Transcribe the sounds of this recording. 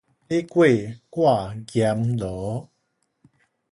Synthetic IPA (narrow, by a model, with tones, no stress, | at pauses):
e˦kwe˥˦˨kwa˥˨ɡja˧mlɔ˨˦